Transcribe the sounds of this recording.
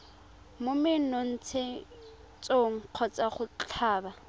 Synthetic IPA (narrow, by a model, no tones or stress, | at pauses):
mʊmɪnɔn̩t͡sʰe | t͡sʼoŋ̩q͡χʰɔt͡sʼaχʊt͡ɬʰaːba